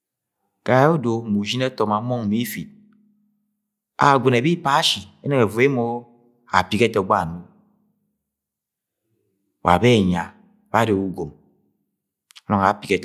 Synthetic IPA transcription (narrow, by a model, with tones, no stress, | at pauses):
ka˨˦o˦do˨mu˨d͡ʒi˦ne˦tɔ˨ma˨˦mɔ˦ŋ˨mi˦fi˨t̚ | a̰˨ɡʷe˨ne˨bi˦pa˦ʃi˨e˦ne˨ŋe˨ve˦mo˦ | a̰˨pi˦ke˦te˨o˨ɡ͡ba˦˨nu˦ | wʔa̰˨be˦˨ɲa˨ | ba˦de˨u˦ɡo˨m | a˦nɔ˨ŋa˨pi˨ke˨˦t